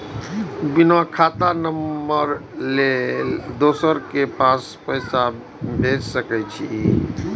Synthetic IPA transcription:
binakʰat̪anəmːəɾled̪osəɾkepaspəjsa | bʱet͡ʃsəkɛt͡ʃʰi

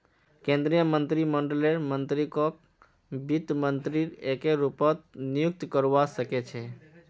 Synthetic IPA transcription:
kẽnd̪ɾijəmənt̪ɾiməɳɖleɾmənt̪ɾikok | bit̪mənt̪ɾiɾekeɾupət̪nijʊk̚t̪kəɾʋaʃəket͡ʃʰe

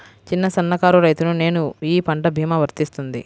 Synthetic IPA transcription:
t͡ʃinːɐsɐnːɐkaːɾuɾɐjt̪unune̞ːnuiːpɐɳʈɐbʱiːmɐʋɐɾt̪ist̪und̪ḭ

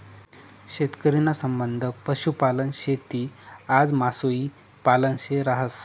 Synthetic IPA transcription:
ɕet̪kəɾinasəmbənd̪ʱəpəɕupalənɕet̪iːad͡zmasoiː | palənɕeɾaɦəs

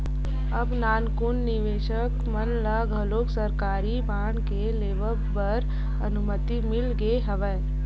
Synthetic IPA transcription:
ɐbnaːnkʊnːɪʋeːʃəkmənləɡəloːksəɾkaːɾibʱaːɳkeleːʋə | pəɾ | ɐnʊmət̪imɪlɡeɦɐʋə

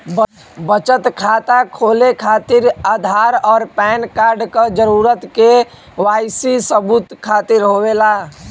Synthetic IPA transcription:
bət͡ʃət̪kʰat̪akʰoːlekʰaːt̪iɾad̪ʱaɾɔːɾpɛːnkaːɾɖkəd͡ʒəɾuːɾət̪ke | waːɪsisəbut̪kʰːaːt̪iɾɦowela

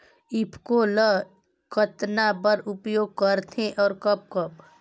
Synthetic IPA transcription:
ɪpʰkolə | kət̪nabəɾʊpjoːɡ̚kəɾt̪ʰẽʔɔːɾkəp̚kəp

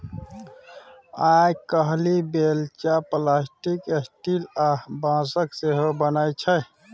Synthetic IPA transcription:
aːkəɦlibeːlt͡ʃaplaːsʈikesʈilabãːsəkseɦobənajt͡ʃʰə

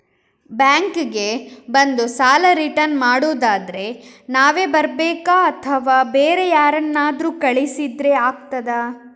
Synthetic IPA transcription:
bjaːŋkɡebɐnd̪usaːlɐɾiʈɐnmaːɽoːd̪aːd̪ɐɾe̞naːʋe̞ːbɐɾbɛːkaɐt̪ʰɐʋaːbeːɾejaːɾɐnːaːd̪ɾuːkɐɭisid̪ɾe̞aːɡ̚t̪ɐd̪a

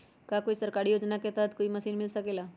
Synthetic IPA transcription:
kakoːisəɾkaːɾijoːd͡ʒnaket̪at̪koːimɐsiːnmɪlsəkela

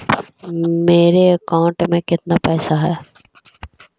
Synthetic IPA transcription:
meːɾeɐkãːɳʈmẽkɪt̪napɛːsaɦɛː

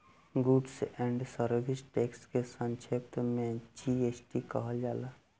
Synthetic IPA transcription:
ɡuɖsɛ̃ːɳɖsəɾbɪsʈeːkskesə̃nt͡ʃʰep̚t̪mẽd͡ʒieːsʈikəɦəd͡ʒaːla

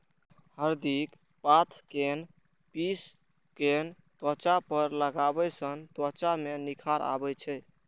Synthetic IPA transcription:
həɾd̪ik | pat̪ʰken | pis | ken | t̪ət͡ʃapəɾləɡabɛsənt̪wət͡ʃamenikʰaɾa̰bɛt͡ʃʰɛ

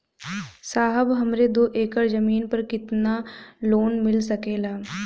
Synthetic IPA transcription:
saːɦəbɦɐmɾed̪oːʔeːkəɾzɐmiːnpɐɾkɪt̪naloːnmɪlsɐkeːlaː

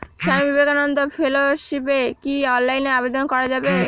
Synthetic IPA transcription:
ʃamibibeɡanond̪ʱofʰeloʃipekiɔnlajneabed̪onkɔɾad͡ʑabe

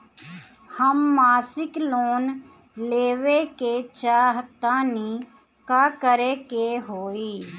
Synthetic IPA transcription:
həmːaːsɪkloːn | leːʋeket͡ʃaːɦt̪aːni | kaːkəɾekeɦoːiː

